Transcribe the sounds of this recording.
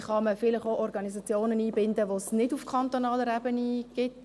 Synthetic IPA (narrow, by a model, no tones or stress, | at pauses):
χɑməfɪlɪχoʔɔɾɡɑnisɑt͡sjoːnəniːbɪndəʋosnɪdufkʰɑnt̪onɑːləɾɛb̥əniɡ̥ɪt